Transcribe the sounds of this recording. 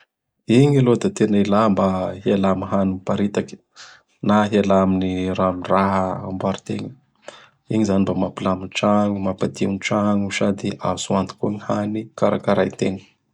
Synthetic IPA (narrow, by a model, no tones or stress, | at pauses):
iɲilod̪at̪enailambahialamiɦanumpaɾit̪aki̥ | naɦialaminiɾamiraɦəa̰mbaɾut̪eɲə | iɲizanimbamapilaminʈ͡ʂaŋumapad̪inʈ͡ʂaŋusad̪iazuant̪i̥kuɲihanikaɾa̰kaɾajt̪eɲə̥